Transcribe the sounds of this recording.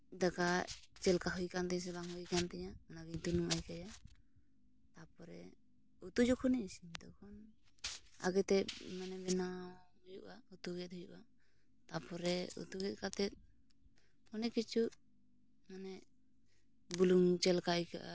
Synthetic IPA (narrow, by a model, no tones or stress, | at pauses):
d̪akaʔt͡ʃɛlkaɦujkant̪ɛɲãs̬ɛbaŋɦujkant̪ɛɲanaɡiɲt̪unumajkaja | t̪apɔɾɛ | ut̪ud͡ʒɔkʰɔnisid̪ɔkʰɔn | a̰ɡɛt̪ɛmanɛbɛna | ɦujuʔaut̪uɡɛt̪̚hɦujṵʔa | t̪apɔɾɛṵt̪uɡɛt̪̚kat̪ɛt̪̚ | ɔnɛkit͡ʃʰuʔ | manɛ | buluŋt͡ʃɛlkajka̰ʔa